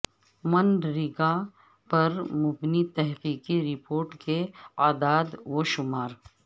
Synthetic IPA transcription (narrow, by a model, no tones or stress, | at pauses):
mɐnɖɾɪɡa | pɐɾmʊbnit̪ɛɦqiːqiɾɪpoːɾʈkeaːd̪aːd̪woːʃʊmaːɾ